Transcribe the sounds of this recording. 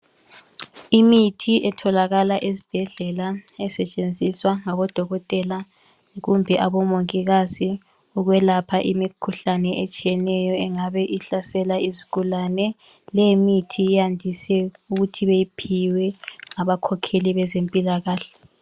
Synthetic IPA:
imitʰiʔɛtʰɔlaɣalaʔezib̥ʱɛɮɛlaɛsɛt͡ʃʼend͡zʱiswaŋaβɔd̥ʱɔɣɔtʼɛla | ɣumbʱɛʔaβɔmoŋkʼiɣazi | uɣwɛlapʰaʔimikʰuɬanɛʔet͡ʃʼijɛnɛjɔɛŋaβɛʔiɬasɛlaizikulanɛ | lɛmitʰijandʱisɛuɣutʰiβejipʰiwɛŋaβakʰɔkʰeliβɛzempʼilaɣaːɬɛ̥

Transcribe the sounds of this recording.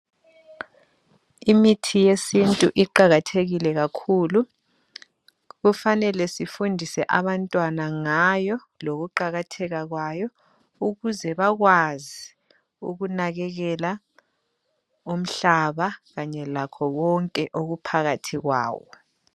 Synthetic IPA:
imitʰijesintʼuʔiǃaɣatʰeɣilɛɣakʰuːlu | ɣufanɛlɛsifundʱisɛʔaβantʼwanaŋajɔ | loɣuǃaɣatʰɛɣaɣwajɔ | uɣuzɛβaɣwazi | ṵɣunaɣɛɣɛla | um̩ɬaβaɣaɲɛlakʰɔɣɔŋkʼɛʔoɣupʰaɣatʰiɣwa̰ːwɔ̰

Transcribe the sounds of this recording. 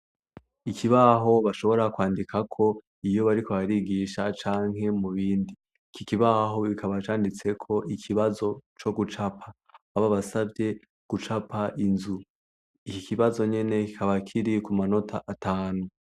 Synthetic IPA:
ikiβaɦo̞βaʃo̞βo̞ɾakwaːndikʰakʰo̞ | ijo̞βaɾikʰoβaɾiɡiʃat͡ʃaːŋ̥ɦe̞muβiːndi | kikiβaɦo̞βikʰaβat͡ʃaːndit͡se̞kʰo̞ʔikʰiβazo̞t͡ʃo̞ɡut͡ʃapʰa | aβaβasabje̞ | ɡ̥ut͡ʃapʰaʔinzu | ikikiβazo̞ɲe̞ne̞ki̥kʰaβakʰiɾikumano̞tʰaʔatʰaːnu

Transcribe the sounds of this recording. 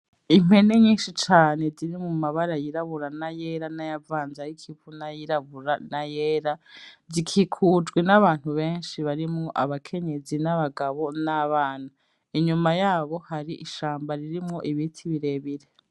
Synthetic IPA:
im̥he̞neɲiːnʃit͡ʃaːne̞ziɾimumaβaɾajiɾaβuɾanajeɾanajavaːnzajikʰivunajiɾaβuɾanajeːɾazikʰikʰuːd͡ʒɡwenaβaːn̥huβe̞ːnʃiβaɾimŋoʔa̰βakʰe̞ɲe̞zinaβaɡaβo̞naβaːna | iɲumajaːβo̞haɾiʔiʃaːmbaɾiɾimŋoʔiβitʰiβiɾe̞βiɾe̞

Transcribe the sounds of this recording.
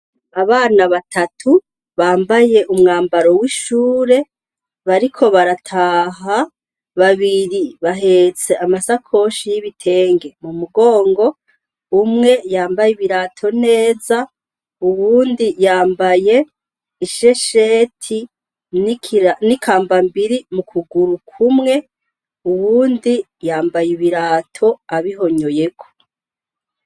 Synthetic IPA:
aβaːnaβatʰatʰu | βaːmbaje̞ʔumŋaːmbaɾo̞wiʃuːɾe̞ | βaɾikʰo̞βaɾatʰaɦa | βaβiɾiβaɦe̞t͡se̞ʔamasakʰo̞ʃijiβitʰe̞ːŋɡe̞mumuɡo̞ːŋɡo̞ | umŋe̞jaːmbajiβiɾaːtʰo̞ne̞ːza | uwuːndijaːmbaje̞ | iʃeʃeːtʰi | ninikʰaːmbambiɾimukʰuɡuɾukʰumŋe̞ | uwuːndi | jaːmbajiβiɾaːtʰo̞aβiɦo̞ɲo̞je̞kʰo̥

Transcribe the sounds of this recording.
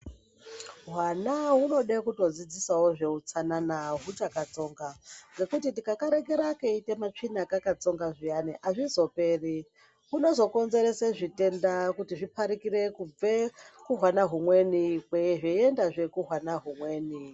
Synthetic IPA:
ɦwanaɦuno̞ɗekuto̞d͡zid͡zisawo̞ʐe̞ut͡sananaɦut͡ʃakat͡so̞ːŋɡaʐe̞kutitikakaɾe̞ɡe̞ɾakeite̞mat͡ʂinakakat͡so̞ŋɡaʐijaniʔaʐizo̞pe̞ːri | kuno̞zo̞ko̞nze̞ɾeseʐite̞ndakutiʐipaɾikire̞kub͡vekuɦwanaɦumwe̞nikweʐeiendaʐe̞kuɦwanaɦumwe̞ːni

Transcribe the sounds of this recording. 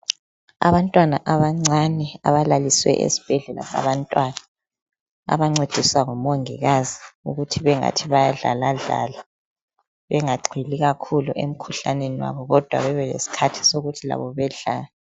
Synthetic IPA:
a̰βantʼwanaʔaβaŋ͡ǀʱanɛaβalaliswɛ̰ʔḛsi̥b̥ʱɛɮɛla̰sa̰βantʼwana | a̰βaŋ͡ǀed̥ʱiswaŋɔmoŋiɣaziuɣutʰiβɛŋa̰tʰiβajaɮa̰laɮa̰la | βɛŋaɡ͡ǀʱiliɣakʰuluʔem̩kʰuɬaneniwa̰βɔɣɔd̥ʱwa̰βɛβɛlḛsi̥kʰatʰi̥soɣutʰila̰βɔβɛɮaːlɛ

